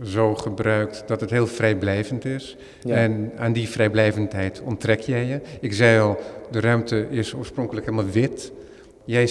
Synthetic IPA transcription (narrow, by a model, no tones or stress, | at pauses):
zowχəbrœɥk̚td̥ɑtətɦeːlˠvrɛjblɛjvəntɪs | ɛnaːndifrɛjblɛjvəntɦɛjtʰɔntrɛkjɛjəɪkzɛjɔlˠdərœɥmtəʔɪsoːɹsprɔŋkələkɦelˠmalˠʋɪt | jɛj